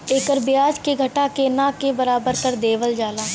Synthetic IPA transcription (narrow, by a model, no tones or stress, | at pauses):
eːkəɾbɪjaːd͡ʒkeɡʱɐʈakenakebɐɾaːbəɾkɐɾd̪eːʋəld͡ʒaːlaː